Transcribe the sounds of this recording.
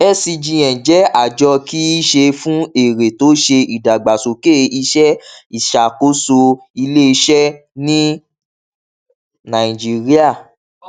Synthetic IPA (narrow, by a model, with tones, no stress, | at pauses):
ɛ˦si˧d͡ʒĩ˧ɛ̃˨d͡ʒɛ˨˦a˦˨d͡ʒɔ˧ki˦i˦ʃe˧fũ˦e˨ɾe˨to˨˦ʃe˧i˨da˨ɡ͡ba˨so˨ke˦˨i˧ʃɛ˦i˦˨ʃa˨ko˦so˧ | i˧le˦i˧ʃɛ˦ | nĩ˦ | nã˨i˨d͡ʒi˦ɾi˦a˦˨